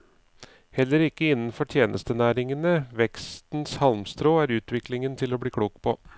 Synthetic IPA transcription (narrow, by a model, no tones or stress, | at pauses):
hɛlːəɾɪkːəɪnn̩fɔʈʰjeːnʔə̰st̪ənæːɾɪŋənəʋɛkst̪n̩shɑlmst̪ɾoːæːɾʉːt̪ʰʋɪklɪŋənt̪ʰɪloːbɽiːkʰɽuːkpʰɔ